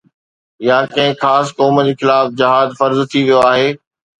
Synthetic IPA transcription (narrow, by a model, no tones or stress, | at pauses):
jaːkɐ̃ɦɪ̃xaːskɔːməd͡ʑeːxɪlaːfd͡ʑɐɦaːd̪fɐɾzt̪ʰiʋijoaːɦeː